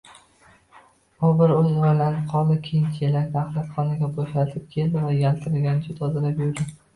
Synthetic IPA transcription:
ʊbɪɾɵzɒɾalanɪqʰɒlˠɪkʲʰejɪnt͡ʃ̪ʰelak̪ʲaχlˠat̪χɒnɪɡʲaboʃlat̪ʰɪp̚kʲʰe̞ld̪ɪvajʲalt̪ʰɪɾɪlɡʲanɪd͡ʒʊt̪ɒzɪɾapjʊɾd̪ɪ

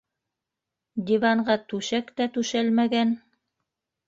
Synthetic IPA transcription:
d̪ʲivɑɴɢɑt̪ʉʃækt̪æt̪ʉʃælmæɡæn

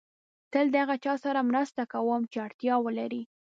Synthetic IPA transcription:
t̪əld̪əaɣat͡ʃɑsaɾamɾast̪akawəmt͡ʃeaɽt̪jɑwəlaɾi

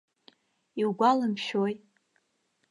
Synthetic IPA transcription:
iwɡʷalɨmʃoj

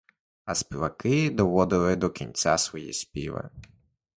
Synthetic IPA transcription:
ɐspʲiʋɐkɪd̪ɔʋɔd̪ɪlˠɪd̪ɔkʲinʲt͡sʲa̰sʋɔjḭspʲḭʋɪ̰

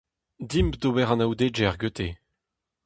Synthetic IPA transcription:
d̪impd̪obɛʁɑ̃nawd̪ed͡ʒɛʁɡøt̪ʰe

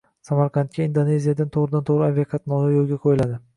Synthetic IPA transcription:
samaɾqʰɑnt̪̚kʲaind̪one̞zijad̪ant̪ʰoʁɾɪd̪ant̪ʰoʁɾɪavijakʰɑt̪nɒlajolˠɡʲaqʰojɪlad̪ɪ

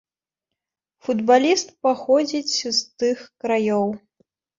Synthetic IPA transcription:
fud̪balʲist̪̚paxɔd͡zʲit͡sʲzt̪ɨxkɾajɔw

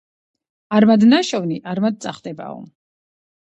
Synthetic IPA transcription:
aɾmad̪naʃɔvniʔaɾmad̪̚t̪sʼaχd̪ɛba̰ɔ̰m

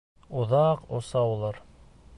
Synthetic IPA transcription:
ŏðɑqosɑwulˠɑɾ

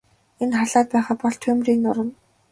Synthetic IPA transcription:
enχaɮaːt̪̚pæːχaːpɔɮt̪ʰɵmriːknʊɾə̆n

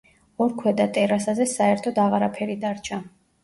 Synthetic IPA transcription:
ɔɾkʰwɛd̪at̪ʼɛɾasazɛsaɛɾt̪ʰɔd̪aʁaɾapʰɛɾid̪aɾt͡ʃʰa

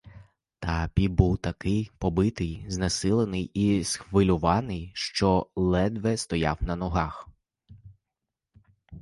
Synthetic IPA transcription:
t̪apʲibuwt̪ɐkɪjpɔbɪt̪ɪjznɐsɪlˠenɪjisxʋɪlʲʊʋɑnɪjʃt͡ʃɔlˠɛd̪ʋɛst̪ɔjɑ̰wnɐnɔɦɑx

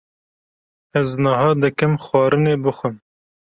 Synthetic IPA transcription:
ɛznɑhɑːd̪ɨkɨmxʷɑːɾɨneːbɨxʷɨm

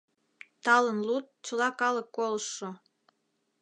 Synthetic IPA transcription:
t̪ɑlənlut̪̚t͡ɕə̆lɑkɑləkːoləʃːo

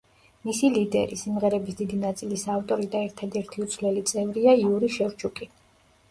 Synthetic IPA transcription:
misilid̪ɛ̰ɾisimʁɛɾɛbisd̪id̪inat̪sʼilisaːft̪ʼɔɾid̪aɛɾt̪ʰad̪ɛɾt̪ʰiut̪sʰvlɛlit̪sʼɛvɾiaiuɾiʃɛɾt͡ʃʰukʼi

